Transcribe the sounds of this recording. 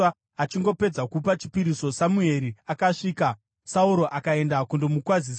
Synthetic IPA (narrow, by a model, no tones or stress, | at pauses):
at͡ʃiŋɡo̞pe̞d͡zakup̬at͡ʃi̥piɾiso̞samue̞ɾiakaʂiːka | sauɾo̞ʔakae̞ndakundomukwazis